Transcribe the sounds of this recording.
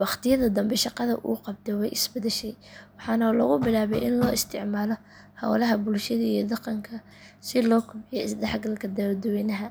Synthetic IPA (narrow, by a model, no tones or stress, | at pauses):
wɑχt̪ʰɪjɐðɐd̪ɐmbɛʃɑqɑðɐ̰ʔṵːqɑb̚t̪ʰɛwɛjʔɪsbɐd̪ɛʃɛjwɑħɑːnɐlɔ̰ɣʊbɪlaːβɛjʔɪnlɔːɪst̪ʰɪʕmaːlɔ | hɐ̰wlɐɦɐbʊlʃɐðɐijɔd̪ɑqɑŋkʰɐ | sɪlɔːkʰʊbɪjɔɪsd̪ɛħɡɐlkʰɐd̪ɐɾd̪ɔwɛːnɐɦɐ